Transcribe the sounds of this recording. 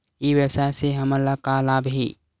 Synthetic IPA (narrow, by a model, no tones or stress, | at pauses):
iʋjəwsaːeseɦɐməlːakalaːbɦḭː